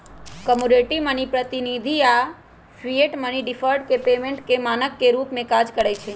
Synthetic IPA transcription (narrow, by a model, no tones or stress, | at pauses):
kəmuɾeʈimənipɾət̪inid̪ʱia | sʋieʈməniɖifʰəɾɖ̚kepemẽɳʈkemanəkːeɾupmẽkad͡ʒkəɽejt͡ʃʰe